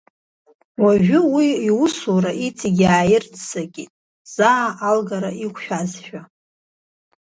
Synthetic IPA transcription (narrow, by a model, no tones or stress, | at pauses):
waʒʷᶣʊwiːwʊsuɾaʔit͡sʰiɡʲaːjɪrt͡sʰsaɡʲitʼ | z̥aːʔːlɡaɾaikʷʰʼʃᶣazʃᶣa